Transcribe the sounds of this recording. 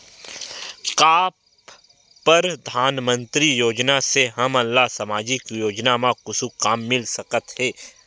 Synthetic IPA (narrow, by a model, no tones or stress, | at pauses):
kaːp | pːəɾd̪ʱaːnmə̃nt̪ɾijoːd͡ʒnaseɦɐmɐlːasəmaːd͡ʒikjoːd͡ʒnamãkʊsukaːmːɪlsɐkət̪ɦɛː